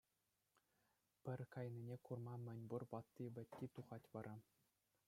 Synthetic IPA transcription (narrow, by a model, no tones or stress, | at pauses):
pʲɘ̆rʲkɑjnʲinʲekurmɑmʲɘ̆nʲburʋɑt̪ːiʋʲɘ̆tʲːit̪uʁɑtʲʋɑɾʔɑ